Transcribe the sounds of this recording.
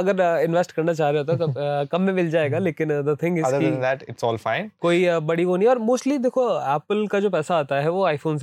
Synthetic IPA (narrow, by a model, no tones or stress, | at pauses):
ɐɡəɾɪ̃nʋɛsʈkɐɾnat͡ʃaːɦɾeɦoːt̪at̪okɐ̃mːẽmɪld͡ʒaːeːɡaleːkɪ̃nd̪ət̪ʰɪ̃ŋɡɪɐd̪əɾkind̪æʈɪʈsɔːlfãɪ̃nkoːibɐɽiɦoːnĩɔːɾmoːsʈlid̪eːkʰoɛːpəlkad͡ʒoːpɛːsaaːt̪aɦɛʋoaːɪfoːns